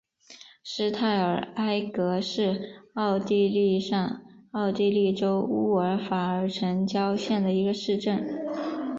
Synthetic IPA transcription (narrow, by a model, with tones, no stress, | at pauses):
ʂɻ̩˥t̪ʰa˥˩ɪə˞˨˩a˥ɪkɤ˧˥ʂɻ̩˥˧ɑ˥˧ʊt̪i˥˧li˥˧ʂɑ˥˧ŋɑ˥˧ʊt̪i˥˧li˥˩ʈ͡ʂo˥ʊu˥˩ə˞˧˥fa˨˩ə˞˧˥ʈ͡ʂʰə˧˥ŋt͡ɕjɑ˥ʊɕjɛ˥˩nd̪ə˩i˧˥ɡə˧ʂɻ̩˥˧ʈ͡ʂə˥˩n